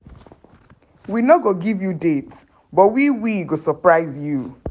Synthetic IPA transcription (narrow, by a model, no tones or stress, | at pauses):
winoɡoɡivjudet | bɔwiwiɡosɔpɹaɪzju